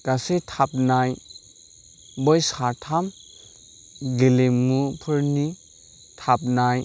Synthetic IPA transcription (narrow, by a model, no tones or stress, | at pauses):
ɡasetʰap̚naj | bɔjsatʰam | ɡelemːupʰɯɾni | tʰap̚naj